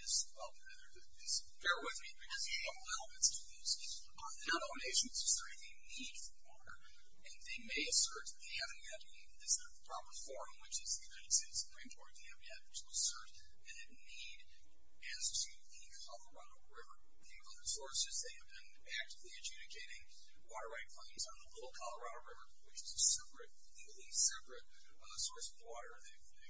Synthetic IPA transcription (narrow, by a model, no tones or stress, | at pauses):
ɨz | ɛlˠ | ðə˞ | ɪz | kʰɛɹwɪðmibɨkʰʌzlɛlˠmɨ̃nstʰɨjʉz̥ | ɨ̃nəɾõʊneɪʃɨ̃nzɨsɜ˞ɨ̃ðeɪnid̥fwɔɾə̰˞ | ɨ̃nðeɪmeɪɨsɜ˞t̪̚ðeɪhævɨ̃nɛɾ | ðɨsɨpʰɹ̥ɑpə˞fɔɹ̃mwɨt͡ʃɨzðɨjɨnaɪɾɨd̥steɪtsɨ̥pʰɹ̥ĩmkʰɔɹt̪̚ðeɪhæṽn̩hɨd̪̚tʰəəsɜ˞ɾ | ɨ̃nɨtniɾ | æ̃nsə˞si | i | kʰɑlˠə˞ɑɾoʊɹɪvə˞ | ɪ̃ŋvʌðəsɔɹsɨzðeɪɨvbɨ̃n | æk̚tɨvliɨd͡ʒʉɾɨkʰeɪɾɪ̃ŋ | wɔɾə˞waɪt̚pʰl̥ẽɪ̃nzn̩ðəlɪɾl̩ˠkʰɑlˠə˞ɑɾoʊɹɪvə˞wɨt͡ʃɨzɨsɛpɹɨt̚ | lilˠisɛpɹɨt̚ | sɔɹsʌvwɔɾə˞ðeɪ